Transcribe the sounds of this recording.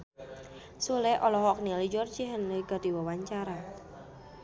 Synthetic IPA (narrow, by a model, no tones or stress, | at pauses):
sulɛʔɔlɔɦɔk̚nilid͡ʒɔrd͡ʒiɦənliɡ̥ad̥i̤wawaɲt͡ʃaɾa